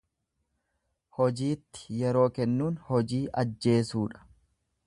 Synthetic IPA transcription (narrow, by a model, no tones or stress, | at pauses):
hɔd͡ʒiːt̪ːɪ̥jɛɾo̞ːkɛnːuːnhɔd͡ʒiːʔɐd͡ʒːe̞ːsuːᶑɐ̥